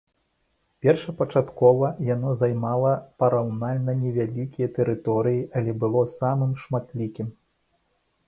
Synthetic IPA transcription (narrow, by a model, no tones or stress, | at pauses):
pʲɛrʂɐpɐt͡ʂat̪kɔvɐjanɔzajmalˠɐpɐɾawnalʲnɐnʲɛvʲalʲikʲijɐt̪ɛɾɨt̪ɔɾɨjiʔɐlʲɛbɨlˠɔsamɨmʂmat̪lʲikʲim